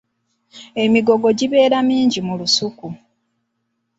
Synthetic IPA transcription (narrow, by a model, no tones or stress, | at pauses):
e̞miɡo̞ɡo̞ɟiβe̞ːɾamiːɲɟimulusuku